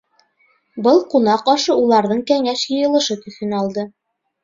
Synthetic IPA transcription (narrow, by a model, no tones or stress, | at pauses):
bɤlˠqunɑqɑʃɤulˠɑɾðɤɴkæŋæʃjɤ̆jɤ̆lˠɤ̆ʃɤt̪ɵ̆θɘ̆nɑlˠd̪ɤ